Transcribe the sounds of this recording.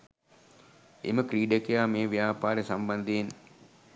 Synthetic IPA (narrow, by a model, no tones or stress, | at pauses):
ḛməkɾiːɖəkejaːmeːʋjaːpaːɾəsamband̪een